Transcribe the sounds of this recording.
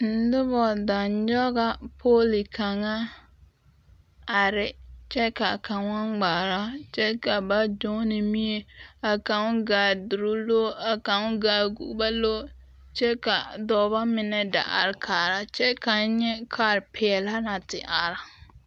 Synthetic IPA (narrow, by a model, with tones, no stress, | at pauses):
n̩˦dʊ˦bɔ˨da˨nd͡ʒɔ˦ɣa˨pʰoː˦li˨ka˨ŋa˦ | a˨ɾɪ˦t͡ʃɛ˦ka˨ka˨ŋa˦ŋɡ͡baː˨ɾa˦t͡ʃɛ˦ka˨ba˦do˦nɪ˨mi˦e˨a˨ka˨ŋ˦ɡaː˨dʊ˨ɾʊ˦lo˦a˨ka˨ŋ˦ɡaː˨ɡṵ˦ba˦lo˦ | t͡ʃɛ˦ka˨dɔː˨ba˦mɪ˨nɛ˦da̰˨ʔa̰˨ɾkʰaː˨ɾa˦t͡ʃɛ˦ka˨˦ɲɛ˦kʰa˨ɾpʰɛː˨la˦na˨tɪ˨ʔa˨ɾa˨